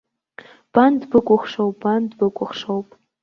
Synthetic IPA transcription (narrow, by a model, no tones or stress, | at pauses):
b̥andbɨkʷʼʊχʂowpbandbɨkʷʼʊχʂowpʼ